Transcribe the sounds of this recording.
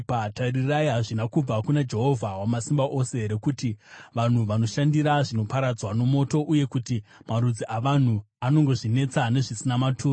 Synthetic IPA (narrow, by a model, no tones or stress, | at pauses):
patariraiɦaʐinakub͡vakunad͡ʒe̞ɦo̞vʱawamasimbaʔo̞se̞ɦɾe̞kutiʋan̤uʋano̞ʃandiɾaʐino̞paɾad͡zwano̞mo̞to̞ʔuje̞kutimaɾud͡ziʔaʋan̤u | ano̞ŋɡo̞ʐine̞t͡sane̞ʐisinamatʰuː